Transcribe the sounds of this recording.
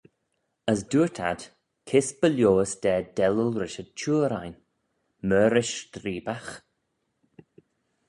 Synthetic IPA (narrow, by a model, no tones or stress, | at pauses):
əsduːətʰa̰d̪̥ | kʰɪsb̥əljoːəsd̪̥ɛːdɛləlɾɪʃət͡ʃʰuːɾajn | mœːɾɪʃt̪ɾiːbax